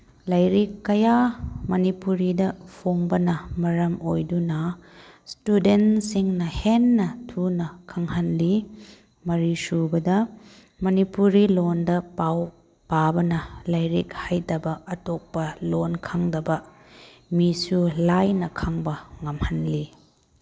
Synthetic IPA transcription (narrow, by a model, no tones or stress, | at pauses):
lɐjɾikːɐjamɐnipuɾidɐpʰoŋbɐnɐmɐɾɐmojdunɐstudentsiŋnɐhenːɐtʰunɐkʰɐŋhɐnli | mɐɾisubɐdɐ | mɐnipuɾilondɐpaw | pabɐnɐlɐjɾḭk̚hajdɐbɐɐtok̚pɐlonkʰaŋdɐbɐ | misulajnɐkʰaŋbɐŋɐmhɐnli